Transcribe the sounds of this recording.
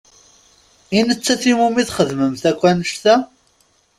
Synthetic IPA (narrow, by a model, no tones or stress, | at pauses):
inət͡sːæθimumiθχəðməmθækʷːænəʃt̪æ